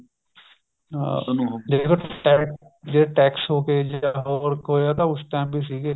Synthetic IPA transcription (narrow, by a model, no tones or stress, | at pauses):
d͡ʒekoʈɛː | d͡ʒeːeʈɛːksɦoːked͡ʒaɦoɾkɦoːeaːt̪ãʊsʈɛ̃ːmbiːsiːɡe